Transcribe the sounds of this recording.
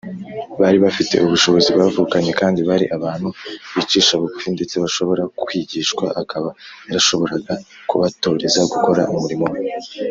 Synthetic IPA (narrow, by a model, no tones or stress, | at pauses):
βaɾiβafite̞̰ʔuβuʃo̞βo̞zibɡaβvuːkaɲe̞kaːndiβaɾiʔaβaːn̥huβit͡ʃiːʃaβukfinde̞t͡se̞βaʃo̞βo̞ɾakwiɟiːʃkwaʔakʰaβaaɾaʃo̞βo̞ɾaɡa | kuβato̞ːɾe̞zaɡuko̞ɾaʔumuɾimo̞we